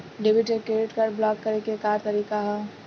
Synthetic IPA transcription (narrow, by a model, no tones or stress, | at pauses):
ɖebɪʈekeɾɪʈkɐɾblɔːkːɐɾekekaːɾt̪ɐɾiːkaɦɛː